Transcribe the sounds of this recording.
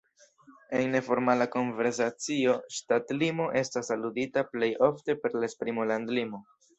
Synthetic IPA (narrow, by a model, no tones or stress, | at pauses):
e̞nːe̞fo̞ɾmalako̞nve̞ɾs̬at͡sio̞ʃtatlimo̞ʔe̞stasaluditaple̞jo̞fte̞pe̞ɾlaespɾimolandlimo̞